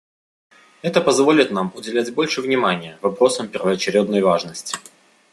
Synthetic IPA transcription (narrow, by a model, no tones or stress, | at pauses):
ɛt̪əpɐzvo̞lʲɪt̪namʊdʲɪlʲædʲbo̞lʲʂɨvnʲɪmanʲɪjəvɐpɾo̞səmpʲɪrvəɐt͡ɕɪɾʲed̪nəjvaʐnəsʲtʲɪ̥